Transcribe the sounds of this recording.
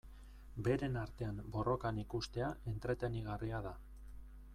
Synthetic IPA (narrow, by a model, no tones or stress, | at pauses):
be̞ɾe̞naɾt̪e̞ambo̞ro̞kanikust̪e̞aʔe̞nt̪ɾe̞t̪e̞niɣ̞ariaða